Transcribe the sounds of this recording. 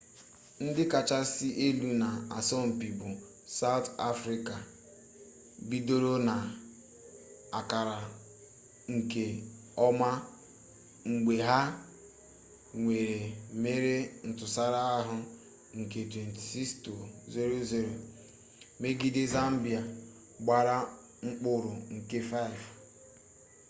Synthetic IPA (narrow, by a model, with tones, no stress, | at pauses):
n̩˦dɪ˦ka˨t͡ʃa˦si˦ʔe˦lu˦na˨a˨sɔ˦m̩˨pi˨bʊ˨ | sa˦wta˦fɾi˦ka˨ | bi˦do˦ɾo˦na˨ | a˨ka˨ɾa˨ | ŋ̩˨ke˨ | ɔ˦ma˦ | ŋ͡m̩˨ɡ͡be˨ɦa˦ | ŋʷe˨ɾe˨me˦ɾe˦n̩˨tʊ˨sa˦ɾa˦a˦ɦʊ˦ | ŋ̩˨ke˨twe˨n˨ti̥˨si˦ksto˨ze˦ɾo˦ze˦ɾo˨ | me˦ɡi˦de˦za˦m̩˦bi˨a˨ | ɡ͡ba˦ɾa˦ | ŋ͡m̩˦k͡pʊ˦ɾʊ˨ŋ̩˨ke˦fa˦i˨v